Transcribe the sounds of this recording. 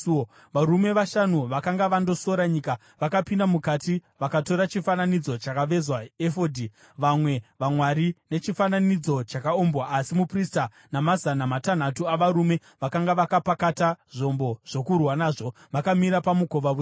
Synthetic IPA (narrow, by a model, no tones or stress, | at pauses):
ʋaɾume̞ʋaʃanuʋakaŋɡaʋando̞so̞ɾaɲika | ʋakapindamukatiʋakato̞ɾat͡ʃifananid͡zo̞t͡ʃakaʋe̞zwaefodʱi | ʋamwe̞ʋamwaɾine̞t͡ʃifananid͡zo̞t͡ʃakaombwaːsimuprista | namazanamatan̤atuaʋaɾume̞ | ʋakaŋɡaʋakapakataʐo̞mbo̞ʐ̥o̞kurwanaːʐo̞ | ʋakamiɾapamuko̞ʋaʋu